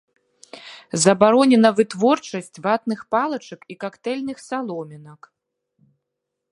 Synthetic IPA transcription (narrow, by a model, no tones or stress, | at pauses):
zɐbaɾɔnʲɛnɐvɨt̪vɔrt͡ʂɐsʲt͡sʲvat̪nɨxpalˠɐt͡ʂɐkikakt̪ɛlʲnɨxsalˠɔmʲɛnɐk